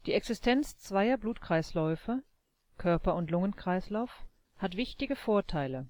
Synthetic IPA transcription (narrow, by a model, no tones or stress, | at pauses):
d̥iːɛksɪstʰɛnt͡st͡sv̥aɪɐbluːtkʁ̥aɪslɔʏfə | kʰœɐpɐʊntlʊŋənkʁ̥aɪslaʊf | hatv̥ɪçtɪɡəfoːɐtʰaɪlə